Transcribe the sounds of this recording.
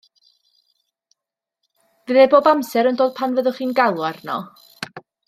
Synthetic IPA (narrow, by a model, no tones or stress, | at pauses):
viðeboːbamsɛɾəndoːd̥̚pʰanvəðʊχiːnɡalˠwarnɔ̰